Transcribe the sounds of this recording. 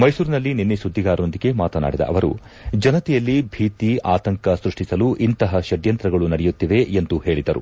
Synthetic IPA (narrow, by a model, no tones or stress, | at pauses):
mɐjsuːɾinɐlːininːisud̪ʱːiɡaːɾond̪iɡe̞maːt̪ɐna̰ːɽid̪ɐ̰ʔɐ̰ʋɐɾṵ | d͡ʒɐnɐt̪ɛjɐlːibʱiːt̪iʔaːt̪ɐŋkɐsɾuʂʈisɐluʔint̪ɐɦɐʃɐd̪jɐnt̪ɾɐɡɐɭunɐɽɛjut̪ːiʋe̞end̪uhe̞ːɭid̪ɐɾṵ